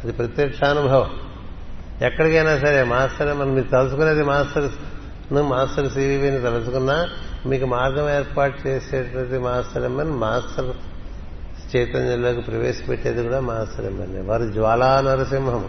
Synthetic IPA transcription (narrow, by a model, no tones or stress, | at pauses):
ɐd̪ipɾɐt̪jɐkʂʰaːnubʱɐʋɐm | ɛkːɐɽikɐjnaːs̬ɐɾeːmaːsʈɐɾemːɐnmiːkut̪ɐlusukuneːd̪imaːsʈɐɾ | numaːsʈɐɾsiːʋiːʋinit̪ɐlusukunːaːmiːkumaːɾɡɐmeːɾpaːʈ̚t͡ʃeːseːʈɐɐd̪imaːsʈɐɾemːɐnimaːsʈɐɾ | t͡ʃɛːt̪ɐɲjɐlo̞ːkipɾɐʋeːʃɐ̥peʈːeːd̪ikuːɽaːmaːsʈɐɾḛmːɐ̰nːḛʋaːɾud͡ʒʋaːlaːnɐɾɐsimɦɐm